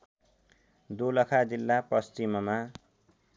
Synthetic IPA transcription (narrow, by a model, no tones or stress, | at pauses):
d̪ulʌkʰad͡zilːapʌst͡ʃimʌma